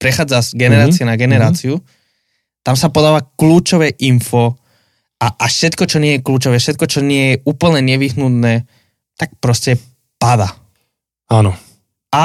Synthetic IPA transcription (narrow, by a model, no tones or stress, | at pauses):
pɾɛxaːd͡zaʃɡɛnɛɾaːt͡siɛnaɡɛnɛɾaːt͡siu | t̪amsapɔd̪aːʋakluːt͡ʃɔʋɛːʔinfɔ | aʔaʃɛt̪kɔt͡ʃɔɲɪɛjɛkluːt͡ʃɔʋɛːfʃɛt̪̚kɔt͡ʃɔɲɪɛjɛuːpl̩ɲɛɲɛʋiɦnut̪nɛː | t̪ak̚pɾɔscɛ | pad̪aː | anɔ | a